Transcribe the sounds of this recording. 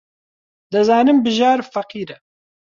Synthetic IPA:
d̪ɨzaːnɨmbɨʒaːɾfɐqiːɾɛ

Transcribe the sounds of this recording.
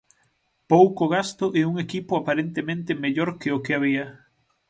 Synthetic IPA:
powkoɣast̪ʊʔɛuŋekipʊapaɾent̪emẽnt̪ɪmeʎoɾkeʊkɪaβ̞iɐ

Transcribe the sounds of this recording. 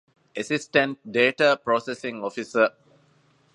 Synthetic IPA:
ɛsisʈə̃nt̚deːʈapɾɔsɛsĩŋɔfisə

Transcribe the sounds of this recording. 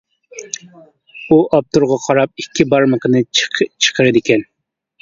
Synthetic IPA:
uʔɑp̚t̪ʊɾʁɑqʰɑɾɑp̚ikʲʰːibɑɾməqənɨt͡ʃʰə̥qʰəɾɪd̪ɪkʲɛn

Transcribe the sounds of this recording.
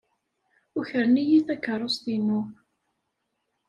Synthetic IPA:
ʊçəɾnijiθækːəɾˤːosˤt̪inu

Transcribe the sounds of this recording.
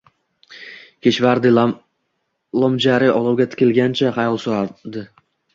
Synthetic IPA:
kʲʰeʃvaɾd̪ɪ | lˠɒmd͡ʒaɾɪʔɒlˠuwɡʲat̪ʰɪ̥kʲɪlɡʲant͡ʃʰaχɑjɒlˠsoɾad̪ɪ

